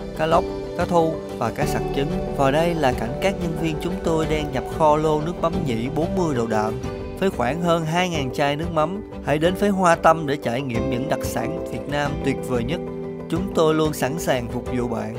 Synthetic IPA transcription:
kaː˨˦˥la˦˥wk͡p̚ | kaː˨˥t̪ʰu˧ | vaː˨˩kaː˦˥k̚sa̰˧˨˩t̚t͡ɕi˨˦ŋ̟vaː˨˩ɗə˧jlaː˨˩ka˧˩jŋ̟kaː˦˥k̚ɲə˧nvi˧ənt͡ɕʊ˨˦ŋ͡mt̪o˧jɗaː˧ŋɲa˨˩p̚xɔ˧lo˧nɨ˦˥ək̚ma˨˦mɲḭ˧˥ɓo˨˦nmɨ˧əjɗə˨˩wɗa̰ː˧˨m | fəː˨˦jxwaː˧˩nɦəː˧nɦaː˧jŋaː˨˩nt͡ɕaː˧jnɨ˦˥ək̚ma˨˦m | ha̰˧˥jɗe˨˦nfəː˨˦jɦwaː˧t̪ə˧mɗe˧˩t͡ɕaː˧˩jŋḭ˧˨əmɲɨ̰˧˥ŋɗa˨˩k̚sa̰ː˧˥nvi˨˩ət̚naː˧mt̪wi˨˩ət̚vəː˨˩jɲə˦˥t̚ | t͡ɕʊ˨˦ŋ͡mt̪o˧jlu˧ənsa˧˥nsaː˨˩ŋfʊ˨˩k͡p̚zṵ˧˨ɓa̰ː˧˨nʔ

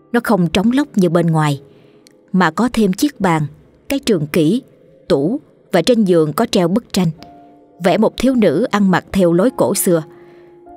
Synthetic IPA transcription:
nɔ˨˦xə˧wŋ͡mt͡ɕɔ˨˦wŋ͡mlə˦˥wk͡p̚ɲɨ˧wɓe˧nŋwaː˨˩j | maː˨˩kɔ˨˦t̪ʰe˧mt͡ɕi˦˥k̚ɓaː˨˩ŋ | kaː˨˦jt͡ɕɨ˨˩əŋki˧˩ | t̪u˧˩˥ | vaː˨˩t͡ɕe˧nzɨ˨˩əŋkɔ˨˦t͡ɕɛ˧wɓə˦˥k̚t͡ɕa˧jŋ̟ | vɛ̰˧˥mo˨˩t̪ʰi˨˦əwnɨ̰˧˥ʔa˧ŋma˨˩t̚t̪ʰɛ˧wlo˨˦jko̰˧˩sɨ˧ə

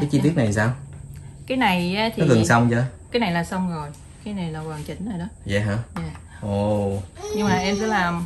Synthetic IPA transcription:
kaː˨˦jt͡ɕi˧t̪i˦˥ək̚na˨˩jsaː˧wkaː˨˦jna˨˩jʔa˨˦t̪ʰiɔ˨˦˩kɨ˨˩ŋsa˧wŋ͡mt͡ɕə˧kaː˨˦jna˨˩jlaː˨˩sə˧wŋ͡mzo˨˩j | kaː˨˦jna˨˩jlaː˨˩kwaː˨˩ŋt͡ɕï˨˦ŋ̟zəː˨˩jɗɔ˨˦zɛ˨˩ɦaː˧˥jaː˨˩ | ʔo˨˩ɲɨ˧ŋmaː˨˩ʔɛ˧msɛ̰˧˦laː˨˩m

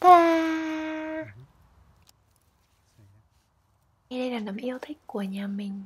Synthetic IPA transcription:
aː˨˩˧ | jɗə˧jlaː˨˩na˨˩˦mʔi˧əwt̪ʰï˦˥k̟̚ku˧˩əɲaː˨˩mï˨˩ŋ̟

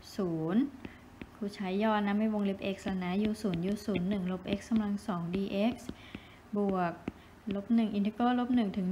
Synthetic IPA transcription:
suː˩˦n | kʰuː˧˩t͡ɕʰa˦˥jːɔː˧˩na˧˥mːa˥˩jwo˧ŋle˦˥p̚ʔe˦˥k̚sla˧na˦˥juː˧˩suː˩˦njuː˧˩suː˩˦nːɯ˨˩ŋlo˧˦˥p̚ʔe˦˥k̚skːa˧mla˧ŋsɔː˩˦ŋdiː˧ʔe˦˥k̚s | bu˨˩ək̚ | lo˦˥p̚nɯ˨˩ŋʔi˧˩nt̪e˦˧˥koː˧˥˨lo˦˥p̚nɯ˨˩ŋt̪ʰɯ˨˩˦ŋ

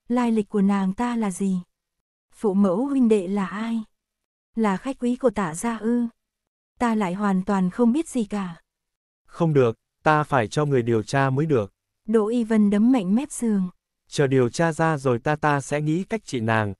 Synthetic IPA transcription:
laː˧jlï˨˩k̟̚kːu˧˩ənaː˨˩ŋt̪aː˧laː˨˩zi˨˩ | fṵ˧˨mə˧˦whwï˧ŋ̟ɗḛ˧˨laː˨˩ʔaː˧j | laː˨˩xa˦˥jk̚ʔwi˨˦ku˧˩ət̪aː˧˩zaː˧ʔɨ˧ | t̪aː˧la̰ː˧˨jɦwaː˨˩nt̪waː˨˩nxə˧wŋ͡mɓi˦˥ət̚z̥i˨˩kaː˧˩ | xə˧wŋ͡mɗɨ˨˩ək̚ | t̪aː˧faː˧˩jt͡ɕɔ˧ŋɨ˨˩əjɗi˨˩əwt͡ɕaː˧məː˨˦jɗɨ˨˩ək̚ | ɗo̰˧˨ʔi˧və˧˩nɗə˨˦mːa̰˧˨jŋ̟mɛ˦˥p̚z̥ɨ˨˩əŋ | t͡ɕəː˨˩ɗi˨˩əwt͡ɕaː˧zaː˧zo˨˩jt̪aː˧t̪aː˧sɛ̰˧˥ŋḭ˧˥ka˦˥jk̚t͡ɕḭ˧˨naː˨˩ŋ

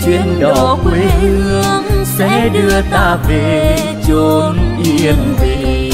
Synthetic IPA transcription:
t͡ɕwi˧˨ənɗɔɔ˨˦˨kwe˨˦ɲɨ˧əsɛ̰˧˥ɗɨ˧ət̪aː˧ve˨˩ | t͡ɕu˧nʔi˧ənvi˨˩

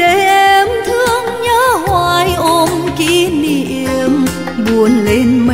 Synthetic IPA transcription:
ɗe˨˦ʔɛ˧mt̪ʰɨ˧əŋɲəː˧˦hwaː˧jʔo˧mki˧˨˦ni˧˩ʔɛ˧m | ɓu˧˩ənle˧˦nm˧

